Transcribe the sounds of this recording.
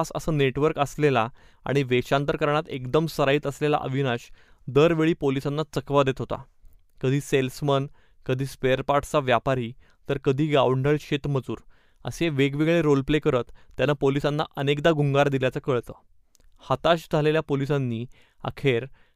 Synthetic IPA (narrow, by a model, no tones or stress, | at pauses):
asə̰səneʈʋəɾkəslela | a̰ɽ̃iʋeɕãnt̪əɾkəɾɳ̃at̪ekd̪əmsəɾaiːt̪əslela̰ʔə̰ʋʱinaɕd̪əɾʋeɭiːpolisanːat͡səkʋad̪et̪ɦot̪a̰ | kəd̪ʱiːselsmən | kəd̪ʱiːspeəɾpaʈʰt͡saʋjapaɾiː | t̪əɾkəd̪ʱiːɡawɳɖəɭɕet̪məd͡zuːɾ | ə̰seʋeɡʋiɡɭeɾolplekəɾət̪ːjanːapolisanːa̰ʔənekd̪aɡuŋɡaɾd̪iljat͡səkəɭt̪ə̰ː | hat̪aɕd͡zʱaleljapolisanːiː | a̰kʰeɾ